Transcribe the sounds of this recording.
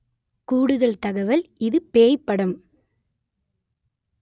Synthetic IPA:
kuːɽɯðɐlt̪ɐɣɐʋɐlɪðɯpeːjpːɐɽɐm

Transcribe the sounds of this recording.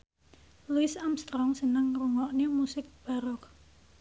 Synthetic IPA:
luɪsamst̪ɾɔŋsənəŋruŋɔʔnemusɪk̚b̥a̤ɾɔk̚

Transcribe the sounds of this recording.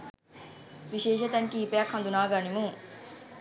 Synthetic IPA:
ʋiʃeːʃɐt̪ɐŋkiːpejɐkhɐnd̪unaːɡanimuŋ

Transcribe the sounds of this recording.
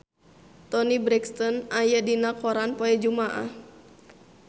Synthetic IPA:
t̪ɔnibɾɛkst̪ɔnajadinakɔɾanpɔɛd͡ʒumaʔa̰h

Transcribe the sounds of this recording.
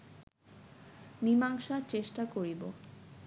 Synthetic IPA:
nimaŋʃaɾt͡ɕeʃʈakoɾibo

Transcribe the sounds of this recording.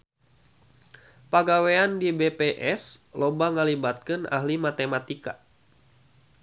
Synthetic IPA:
paɡaweandibepeʔɛslobaŋəlibat̪̚kənʔa̰hlimat̪emat̪ika

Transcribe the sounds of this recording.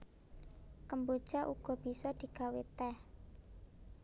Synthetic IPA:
kəmbud̥ʒ̥aʔuɡ̥ɔ̤b̥i̤sɔd̪̥i̤ɡ̥a̤wet̪ɛh

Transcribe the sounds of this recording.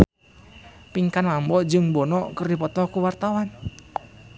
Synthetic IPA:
piŋkanlambɔd͡ʒɨŋbɔnɔkərdipɔt̪ɔkuwart̪awan

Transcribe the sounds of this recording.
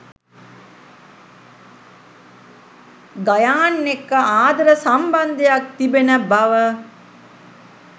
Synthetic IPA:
ɡajaːnːekːəaːd̪ɐɾəsamband̪ejak̚t̪ibenəbaʋə

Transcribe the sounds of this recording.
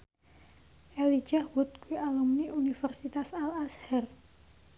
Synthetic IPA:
ʔelid̥ʒ̥ahwut̪̚kuialumniʔunifərsit̪asalashɛr

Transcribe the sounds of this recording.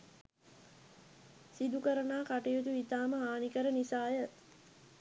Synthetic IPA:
sid̪ukəɾənaːkaʈijut̪uit̪aːməɦaːnikəɾənisaːjə

